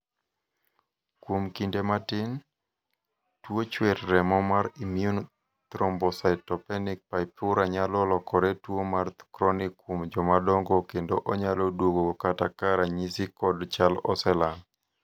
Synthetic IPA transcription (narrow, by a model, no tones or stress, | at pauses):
kwomkindematɪn | twot͡ʃweɾːɛmɔmaɾimiun | t̪ɾɔmbɔsatɔpɛnɪk̚paɪpʊɾaɲalɔlɔkʰɔɾetwomarkɾɔnɪkːwomd͡ʒɔmadɔŋɡokendoʔɔɲalɔdwoɡokatakaɾaɲisɪkɔdt͡ʃalɔsɛlan